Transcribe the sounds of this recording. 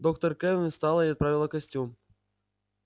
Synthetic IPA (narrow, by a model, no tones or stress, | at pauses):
d̪ok̚t̪ərkɛnʲɪst̪alˠəiɐt̪̚pɾavʲɪlˠəkɐsʲtʲum